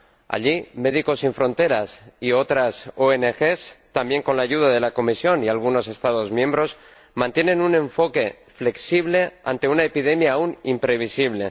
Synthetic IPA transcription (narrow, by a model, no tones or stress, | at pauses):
a̰ʎime̞ð̞iko̞siɱfɾo̞nt̪e̞ɾasio̞t̪ɾasoenexest̪ambje̞ŋko̞nlaːʝuð̞aðe̞lako̞misjo̞nialɣ̞uno̞se̞st̪aðo̞zmjẽ̞mbɾo̞s | mãnt̪jenenunẽ̞ɱfo̞ke̞ | fle̞ksiβle̞a̰nt̪e̞unaepið̞e̞mjaːunimpɾe̞β̞isiβle̞